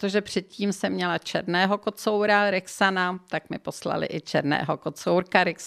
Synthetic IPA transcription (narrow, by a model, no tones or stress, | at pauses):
t̪oʒɛpr̝̥ɛt̪̚ciːmsɛmɲɛlat͡ʃɛɾnɛːɦo̞kot͡sowɾaɾɪksanat̪akmɪpo̞sla̰lɪ̰ʔɪt͡ʃɛɾnɛ̰ːɦokot͡sowɾkaɾɪks